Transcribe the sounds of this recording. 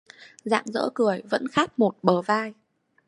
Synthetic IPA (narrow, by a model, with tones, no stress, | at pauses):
za̰ː˧˨ŋzə̰ː˧˥kɨ˨˩əjvə̰˧˥nxaː˦˥k̚mo˨˩t̚ɓəː˨˩vaː˧j